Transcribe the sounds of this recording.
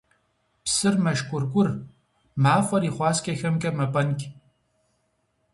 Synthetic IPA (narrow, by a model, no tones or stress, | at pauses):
psɨrmɐʃkʷʼʊrɡʷʼʊr | maːfɐɾiːχʷɑːskʲʼɐxɐmkʲʼɐmɐpʼɐnkʲʼ